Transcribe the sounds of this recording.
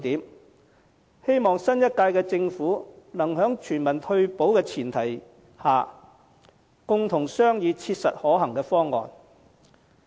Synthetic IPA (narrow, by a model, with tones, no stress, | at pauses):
t̪iː˨˥m | he˥jmɔː˨ŋsɐ˥njɐ˥t̚kaː˧jkɛː˧t͡sɪ˧ŋfuː˨˥nɐ˨˩ŋɦœː˨˥ŋt͡ʃʰyː˨˩nmɐ˨˩nt̪ʰɵ˧ɥpo˨˥wkɛː˧t͡sʰiː˨˩nt̪ʰɐ˨˩j | haː˨˩ | kʊ˧ŋt̪ʰʊ˨˩ŋsœː˥ŋjiː˨˧t͡sʰiː˧t̚sɐ̰˨t̚hɔː˨˥ɦɐ˨˩ŋkɛː˧fɔː˥ŋːɔ̰ː˨˧n